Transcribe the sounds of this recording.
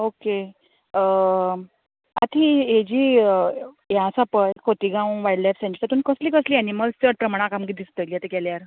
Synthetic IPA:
oke | a̰t̪ʰied͡ʑiː | jasapəjkʰot̪iɡãwʋajɽlajfsẽɲt͡ɕi̥t̪at̪uːnkəsliːkəsliːaniməlst͡səɽ̚pɾəmaɽ̃akamɡid̪ist̪əliːat̪ekɛljaɾ

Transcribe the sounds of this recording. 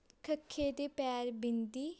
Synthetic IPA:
kʰəkʰːeːd̪eːpɛːɾbɪnd̪iː

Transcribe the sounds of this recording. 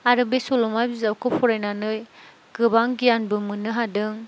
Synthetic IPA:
aɾɯbesɔlɔmajbizawkɯpʰɔɾajnanɯj | ɡɯbaŋɡijanbɯmɯnɯɦadɯŋ

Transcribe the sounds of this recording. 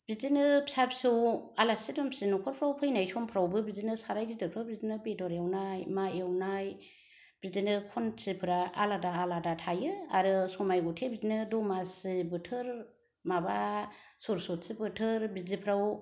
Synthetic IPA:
bizinɯbʰi̥sapsiwalasidɔmsinukʰɔɾpʰɾawpʰɯjnajsɔmpʰɾawbɯbizinɯsaɾajɡidɯpʰɾabizinɯbedɔɾewnajmaewnaj | bizinɯkʰɔnsipʰɯɾaa̰ladaːladatʰajɯaɾɯsɔmajɡɔtʰebizinɯdɔmasibɯtʰɯɾ | mabasoɾsɔtsibɯtʰɯɾbizipʰɾaw

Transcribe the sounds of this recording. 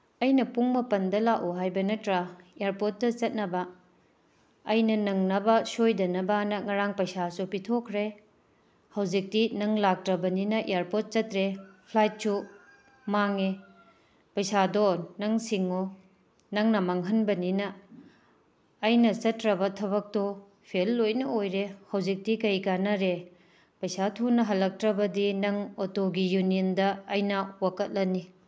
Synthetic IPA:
ɐjnɐpuŋmɐpɐndɐlaʔuɦajbɐnɐtɾɐeaɾpot̚ːɐt͡ʃɐt̚nɐbɐ | jnɐnɐŋnɐbɐsojdɐnɐbanɐŋɐɾaŋpɐjsasupitʰokʰɾe | hɐwd͡ʒik̚dinɐŋlak̚tɾɐbɐninɐʔeaɾpot̚t͡ʃɐtɾepʰlajt̚t͡ʃu | maŋe | pɐjsadonɐŋsiŋo | nɐŋnɐmɐŋɦɐnbɐninɐ | jnɐt͡ʃɐtɾɐbɐtʰɐβɐk̚to | pʰelːojnɐojɾehɐwzik̚tikɐjɡanɐɾe | pɐjsatʰunːɐɦɐlːɐk̚tɾɐbɐdinɐŋotoɡijuniindɐːjnɐwakɐt̚lɐni

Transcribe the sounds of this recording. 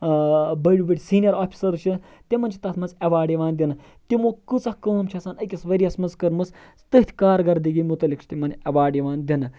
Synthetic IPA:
bɐɽʲubiʈʲsiːnijɐɾoːpʰʲi̥sɐɾt͡ʃʰɨ | t̪imɐnt͡ʃʰi̥t̪ɐt̪ʰmɐzɐʋaːɖiʋaːnd̪ʲinɨ | t̪imokɨt͡sɐhkəːmt͡ʃʰɐsaːnɐkʲɐsʋɐɾiɐsmɐnzkɐɾmɨs | t̪ɨt̪ʰʲkaːɾɡɐɾd̪iɡimut̪ɐlʲikt͡ʃʰi̥t̪imɐnʲɐʋaːɖiʋaːnd̪ʲinɨ

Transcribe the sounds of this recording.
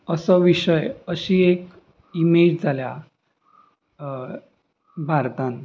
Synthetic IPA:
əsəʋiɕəjəɕiːek | imed͡ʑd͡zʱalja | bʱaɾt̪ãn

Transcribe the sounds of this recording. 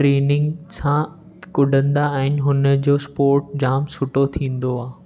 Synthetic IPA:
ɾeːnɪ̃ŋɡsã | kʊɖʱə̃nd̪aːɦɪnɪ̆ɦʊnə̆d͡ʑoːspoːɾʈ̚d͡ʑaːmsʊʈot̪ʰĩːn̆d̪oaː

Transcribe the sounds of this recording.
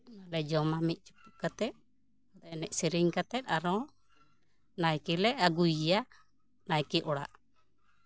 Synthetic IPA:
nalɛd͡ʒɔmamit̪̚ˀt͡ʃu̥puʔkat̪ɛt̪̚ | at̪nɛʔsiɾiŋkat̪ɛt̪̚aɾɔ̃ | najkilɛʔaɡujaʔ | najkiʔɔɽa̰ʔ

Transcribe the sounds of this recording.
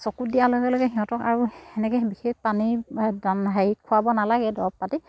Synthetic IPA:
sɔkudijaloɡɛloɡɛɦiɦɔ̃tɔka̰ɹuɛnɛkɛbixek̚panidanɦajikʰːuabɔnalaɡɛdɔɔppati

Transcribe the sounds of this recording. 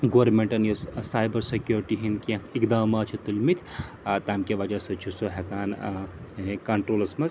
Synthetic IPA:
ɡoʋɐɾmẽɳʈɐnjosaːjbɐɾsekjoːɾʈiɦinkiɐ̃ikd̪aːmaːt͡ʃʰit̪ulmit̪ʰʲ | t̪aːmkeʋɐd͡ʒaːsɐt͡ʃʰusoɦɛkaːn | nikɐɳʈɾoːlɐsmɐz

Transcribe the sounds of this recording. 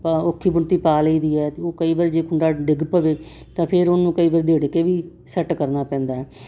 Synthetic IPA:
paokʰːiːbʊɳt̪iːpaːliːd̪iːɛːt̪eoːkəiːʋaɾd͡ʒeːkʊɳɖaːɖɪɡpəʋeː | t̪ãːpʰɪɾʊnnũːkəiːʋəɾd̪eːɽekeːʋiː | sɛʈkəɾnaːpɛ̃ːnd̪aːɛː

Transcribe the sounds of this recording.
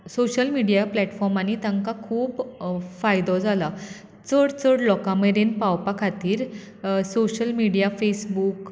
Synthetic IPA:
soɕəlmiɽijaplɛʈfɔɾmañit̪ãŋkakʰuːbfajd̪ɔd͡zala | t͡səɽt͡səɽlɔkameɾenpawpakʰat̪iːɾ | soɕəlmiɽijafesbuːk

